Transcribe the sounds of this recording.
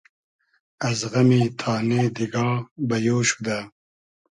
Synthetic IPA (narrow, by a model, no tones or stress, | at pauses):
ɐzʁɐmit̪ʰɑːned̪iɡɑːbɐjoːʃu̥d̪a